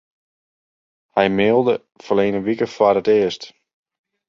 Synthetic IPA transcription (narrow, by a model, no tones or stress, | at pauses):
hɛjmɪːlˠdə | fəleːnəʋikəfwarətɪəst